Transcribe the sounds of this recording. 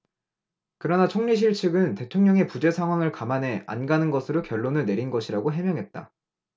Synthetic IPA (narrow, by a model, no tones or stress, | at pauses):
kɯɾʌnat͡ɕʰoŋɲiɕ̬ʰiɭt͡ɕʰɯɡɯnte̞tʰoŋɲʌŋe̞pud͡ʑe̞sʰaŋɦwaŋɯɭkamane̞ʔa̰nɡanɯnɡʌsʰɯɾokjʌɭːonɯɭne̞ɾinɡʌɕʰiɾaɡoɦe̞mjʌŋɦe̞t̚t͈a